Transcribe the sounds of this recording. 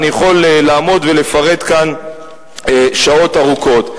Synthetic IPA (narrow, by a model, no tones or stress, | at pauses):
nijeχo̞lelaːmo̞d̪vele̞faʁe̞d̪kan | eʃao̞taʁuko̞t̪